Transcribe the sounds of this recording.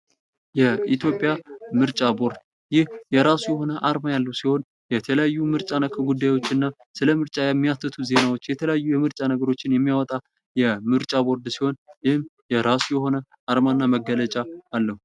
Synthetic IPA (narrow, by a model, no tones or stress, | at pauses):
jɛit̪ʰjo̞pʼjamɨɾt͡ʃʼabo̞ɾd̪ | jɪhjɛɾasujɛho̞nəʔaɾmajalːəwsiho̞n | jɛt̪ʰələjajːumɨɾt͡ʃʼanəkʰəɡud̪ːajwo̞t͡ʃːɨnːa | sɨləmɨɾt͡ʃʼajɛmːijat̪ʰːɨt̪ʰuze̞nawot͡ʃːjɛt̪ʰələjajːujɛmɨɾt͡ʃʼanəɡəɾo̞t͡ʃːɪnjɛmːijawɔt̪ʼa | jɛmɨɾt͡ʃʼabo̞ɾd̪siho̞njɪhɨmjɛɾasujɛho̞nə | ʔaɾmanːaməɡːələt͡ʃʼaːlːəhu